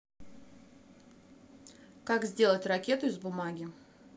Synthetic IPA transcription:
kakzʲdʲelˠətʲrɐkʲe̞t̪ʊɪzbʊmaɡʲɪ

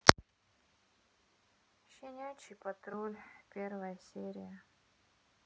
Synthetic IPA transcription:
ɕʲɪnʲajt͡ɕɪjpɐt̪ɾolʲpʲervɐjəsʲeɾʲɪjə

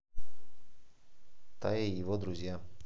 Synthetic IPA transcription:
t̪ajejɪvɔd̪ɾʊzʲja

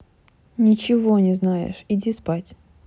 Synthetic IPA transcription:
nʲɪt͡ɕɪvonʲɪznajɪ̰ʂɪdʲispatʲ

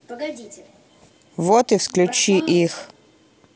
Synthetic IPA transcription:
ʋot̪iwsklʲut͡ʃiʔix

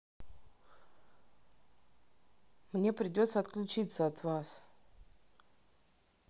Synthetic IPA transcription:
mnʲepɾʲɪdʲot̪səɐt̪klʲʊt͡ɕit̪səɐt̪vas

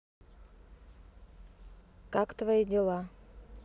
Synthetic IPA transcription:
kakt̪vaidʲɪlˠa

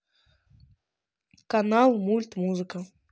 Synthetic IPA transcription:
kanalˠmulʲt̪muzɨkɐ

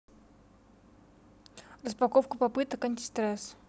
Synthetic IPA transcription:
ɾəspɐkofkəpɐpɨt̪əkɐnʲtʲɪ̥st̪ɾɛs

